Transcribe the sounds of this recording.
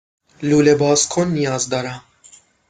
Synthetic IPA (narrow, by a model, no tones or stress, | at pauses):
luːlebɑːskʰonːijɑːzd̪ɑːɾa